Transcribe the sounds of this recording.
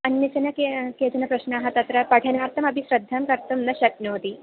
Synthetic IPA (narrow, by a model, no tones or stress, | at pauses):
ɐnjɐsɐnɐkeket͡sɐnɐpɾɐɕnɐaɦɐt̪ɐt̪ɾɐpɐʈʰɐnaɾt̪ɐmɐbʱisɾɐd̪ʱːamkɐɾt̪ɐmnɐɕɐk̚not̪i